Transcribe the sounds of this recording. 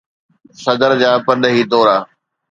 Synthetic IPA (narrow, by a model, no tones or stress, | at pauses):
sɐd̪əɾd͡ʑaːpɐnɗəɦiːd̪oːɾaː